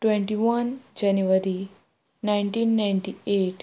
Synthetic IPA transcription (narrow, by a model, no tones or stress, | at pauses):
ʈʋẽɳʈiʋɐnd͡ʑɛnjuʋəɾi | najɳʈiːnːajɳʈieʈ